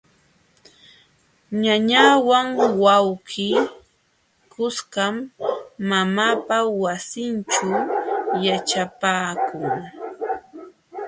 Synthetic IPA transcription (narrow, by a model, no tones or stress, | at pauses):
ɲaɲawaŋwawkɪː | kʊskamː | amaːpawasɪnt͡ʃajat͡ʃapaːkʊŋ